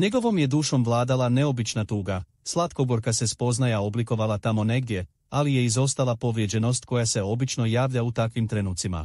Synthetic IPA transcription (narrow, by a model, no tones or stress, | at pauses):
ɲe̞ɡo̞ʋo̞mje̞d̪uːʃo̞mʋlˠaːd̪alane̞o̞bit͡ʃnat̪uːɡa | slˠat̪koɡo̞ɾkase̞spo̞znajao̞bliko̞ʋalˠat̪amo̞ne̞ɡd̪je̞ | alije̞izo̞st̪alapo̞ʋɾjed͡ʑe̞no̞st̪ko̞jase̞o̞bit͡ʃno̞jaːʋʎʲaut̪akʋimt̪ɾenuːt̪sima̰